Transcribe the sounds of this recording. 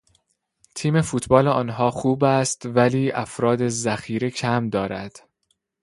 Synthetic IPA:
t̪ʰiːme̞fuːt̪ʰbɒːleɒːnɦɒːxuːbæst̪væliːʔæfɾɒːd̪ezæxiːɾecʰæmd̪ɒːɾæd̪̥

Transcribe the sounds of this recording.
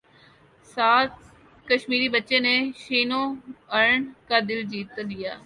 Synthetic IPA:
saːt̪̚ | kəʃmiːɾibətːʃẽneʃiːnõɐɾəɳkad̪ɪld͡ʒiːt̪ːalɪjaː

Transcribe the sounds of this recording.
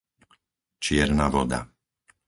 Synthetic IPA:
t͡ʃɪɛɾnaʋɔd̪a̰

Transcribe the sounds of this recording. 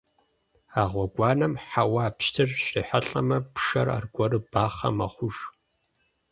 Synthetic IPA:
aːʁʷɔɡʷɑːnɐmħawaːpɕtʰɨrɕriːħaɬʼɐmɐpʂɐra̰ːrɡʷɔrɨbaːχɐ̰mɐ̰χʷʊʒ

